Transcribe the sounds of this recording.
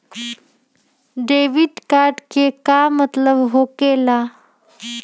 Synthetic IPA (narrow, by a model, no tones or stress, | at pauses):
ɖeʋiɖkaːɾɖkekamət̪ləbɦokela